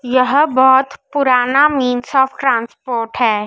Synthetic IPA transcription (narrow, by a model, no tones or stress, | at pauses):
jɐɦbɔːʊt̪pʊɾaːnamiːnsɔːfʈɾãːnspoːɾʈɦɛː